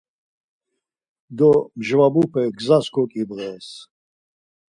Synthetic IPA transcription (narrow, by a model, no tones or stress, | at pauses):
d̪ɔmʒvabupʰɛɡzaskʰɔkʼibʁɛːs